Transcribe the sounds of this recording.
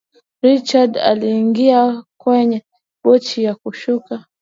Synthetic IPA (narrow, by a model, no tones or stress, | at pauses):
ɾit͡ʃada̰liːŋɡiakwɛɲɛ | ɓɔt͡ʃijakuʃuka